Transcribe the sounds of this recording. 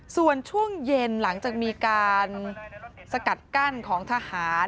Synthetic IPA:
su˨˩ənt͡ɕʰu˥˩əŋje˧nla˩˦ŋt͡ɕaː˨˩k̚miː˧kaː˧n | sa˧ka˨˩t̪̚ka˥˩nkʰɔː˩˦ŋt̪ʰa˧haː˩˦n

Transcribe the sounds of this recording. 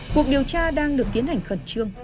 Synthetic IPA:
ku˨˩ək̚ɗi˨˩əwt͡ɕaː˧ɗaː˧ŋɗɨ˨˩ək̚t̪i˨˦ənha˨˩jŋ̟xə˧˩nt͡ɕɨ˧əŋ

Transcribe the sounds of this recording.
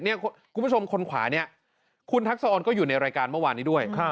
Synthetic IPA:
ni˥˩ɐkkʰu˧mʰ˦˥˩o˧mkʰo˧nkʰwa̰ː˩˦ni˦˥˩ɐ | kʰu˧nt̪ʰa˦˥k̚sa˧ʔɔː˧nkɔː˥˩juː˨˩na˧jɾaː˧jkaː˧nmɯ˥˩waː˧nːiː˦˥du˥˩əjkʰa˥

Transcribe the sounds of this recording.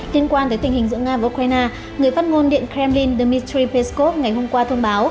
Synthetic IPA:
li˧ənkwaː˧t̪əː˨˦jt̪ï˨˩hï˨˩ŋ̟zɨ̰˧˨˥ŋaː˧vəː˨˩˨ʔu˧k̚ɾaː˧jnaː˧ | ŋɨ˨˩əjfaː˦˥t̚ŋo˧nɗḭ˧˨ənkɾɛ˧mli˧nɗə˧˩mi˧t̪ɾi˧pe˧sko˦˥p̚ŋa˨˩jɦo˧mkwaː˧t̪ʰə˧wŋ͡mɓaː˨˦w

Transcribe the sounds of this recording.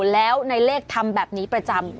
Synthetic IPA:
lɛː˦˥wna˧jleː˥˩k̚t̪ʰa˧mbɛː˨˩p̚niː˦˥pɾa˧t͡ɕa˧m

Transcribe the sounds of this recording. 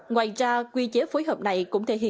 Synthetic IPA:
ŋwaː˨˩jzaː˧kwi˧t͡ɕe˨˦foː˨˦jɦəː˨˩p̚na˨˩jkʊ̰˧˥ŋ͡mt̪ʰe˧˩ɦḭ˧˨

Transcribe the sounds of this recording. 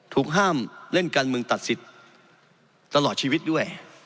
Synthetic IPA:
t̪ʰuː˨˩k̚ɦaː˥˩mle˥˩nkaː˧nmɯ˧ŋt̪a˨˩t̪̚si˨˩t̪̚ | a˧lɔː˨˩t̪̚t͡ɕʰiː˧wi˦˥t̪̚du˥˩əj

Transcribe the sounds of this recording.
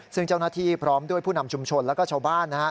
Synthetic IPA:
sɯ˥˩ŋt͡ɕa˥˩wnaː˥˩t̪ʰiː˥˩pʰɾɔː˦˥mdu˥˩əjpʰuː˥˩na˧mt͡ɕʰu˧mt͡ɕʰo˧nlɛː˦˥wkɔː˥˩t͡ɕʰaː˧˩wbaː˥˩nːa˦˥

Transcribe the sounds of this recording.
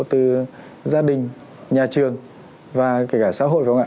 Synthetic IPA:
t̪ɨ˨˩ | zaː˧ɗï˨˩ŋ̟ | ɲaː˨˩t͡ɕɨ˨˩əŋ | vaː˨˩kaː˧˩kaː˧˩sa̰ː˧˥ɦo̰˧˨jvaː˨˧˩ŋa̰ː˧

